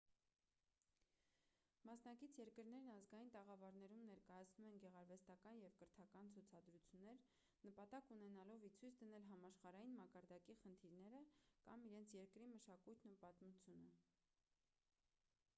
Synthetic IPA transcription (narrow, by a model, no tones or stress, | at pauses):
mɑsnɑkit͡sʰjɛɾkəɾn̪ɛɾnɑzɡɑjint̪ɛʁɑvɑɾnɛɾumnɛɾkɑjɑt͡sʰnumɛnɡɛʁɑɾvɛst̪ɑkɑnjɛvkəɾt̪ʰɑkɑnt͡sʰut͡sʰɑd̪ɾut͡sʰjunːɛɾ | nəpɑt̪ɑkunɛnɑlɔvit͡sʰujt͡sʰd̪ənɛlɦɑmɑʃχɑɾɑjinmɑkɑɾd̪ɑkiχənt̪ʰiɾnɛɾəkɑ̰miɾɛnt͡sʰjɛɾkɾiməʃɑkujt̪nupɑt̪mut͡sʰjunə